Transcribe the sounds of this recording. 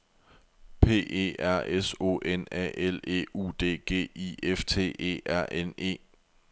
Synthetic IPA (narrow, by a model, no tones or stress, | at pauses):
pʰe̝̰ːe̝̰ːæɐ̰eso̝̰ʔenɛ̰ʔele̝̰ːṵːd̥e̝̰ːɡ̥e̝̰ːieft͡sʰe̝̰ːe̝̰ːʔæɐ̰ʔene̝̰ː